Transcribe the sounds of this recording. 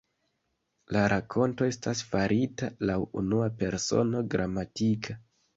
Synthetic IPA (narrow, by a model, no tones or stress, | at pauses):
laɾakʰo̞nto̞e̞stasfaɾitalawṵnuape̞ɾso̞̰no̞ɡɾʔamatikʰa